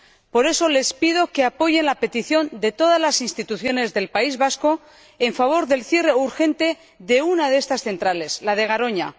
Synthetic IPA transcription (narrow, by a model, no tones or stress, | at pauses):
po̞ɾe̞so̞le̞spið̞o̞ke̞apo̞ʝe̞nlape̞t̪iθjo̞nd̪e̞t̪o̞ðazlasinst̪it̪uθjo̞ne̞zðe̞lpaizβasko̞ | eɱfaβ̞o̞ɾðe̞lθje̞re̞uɾxe̞nt̪e̞ | ðe̞unaðeest̪asθe̞nt̪ɾale̞slaðe̞ɣ̞aɾo̞ɲa̰